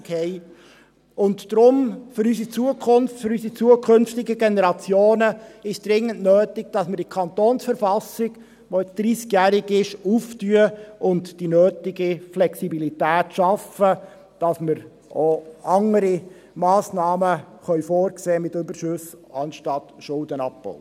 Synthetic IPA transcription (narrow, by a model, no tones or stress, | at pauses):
khɛɪ | ʊntd̥ɾʊmfʏɾys̬it͡suəkʰʊnftfʏɾysit͡suəkʰɵnftɪɡəɡenɛɾɑt͡sjoːnəɪʃd̥ɾɪŋːəntnøːtɪɡ̥̚d̥ɑsməɾd̥ikʰɑntoːnsfəɾfɑsɪɡ | ʋoɪt͡sd̥ɾiːskjæːɾɪɡɪʃuftyəʊntd̥inøːtɪɡiflɛksibilitæːtʃɑfə | d̥ɑsməɾ | ʔoɑŋəɾi | mɑːsnɑːmə | χœʏfoːɾkseːmɪtʏbəʃʉsɑnʃtɑtʃʊldənɑp̚b̥ɔ̰ʊ